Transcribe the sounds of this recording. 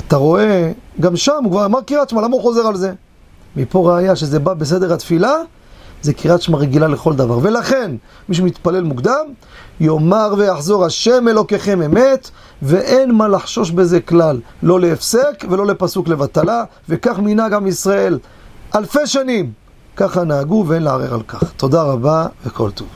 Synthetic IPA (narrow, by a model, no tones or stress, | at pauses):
at̪aʁo̞e̞ɡamʃamukvaʁjomaʁkiʁat̪t͡ʃmalamauχo̞zeʁalze̞ | mipo̞ʁeajaʃeze̞babe̞s̬e̞d̪e̞ʁhat̪fila | ze̞kiʁat̪t͡ʃmaʁeɡilale̞χo̞ld̪ava̰ʁve̞laχe̞n | miʃ̬umit̪pale̞lmukd̪am | jo̞maʁve̞jaħzo̞ʁaʃe̞me̞lo̞ke̞χe̞me̞me̞t̪ | ve̞ʔe̞nmalaħʃo̞ʃbe̞zeklalː | o̞leːfsekve̞lo̞le̞pasuklevat̪ala | vekaχminaɡamisʁae̞l | alfe̞jʃanim | kaχanaːɡuveenlea̰ʁḛʁa̰lkaχt̪o̞d̪aʁabavekʰo̞̰lt̪ov